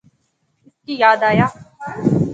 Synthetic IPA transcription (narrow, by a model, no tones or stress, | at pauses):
ɪskiːjaːd̪aːjaː